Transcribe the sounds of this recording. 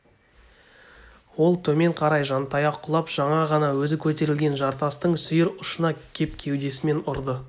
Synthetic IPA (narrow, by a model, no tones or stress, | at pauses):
wo̞lˠt̪ʰɵme̞ɴqʰɑɾɑjʒɑnt̪ɑjɑqʰːʊlˠɑpʒ̥ɑɴɑʁɑnɑwɵzɪkʲʰɵt̪e̞ɾɪlɡʲe̞nʒɑɾt̪ɑst̪əɴsʏjɪɾʊʃənɑkʲʰe̞p̚kʲʰe̞wd̪e̞sɪme̞nʊɾd̪ə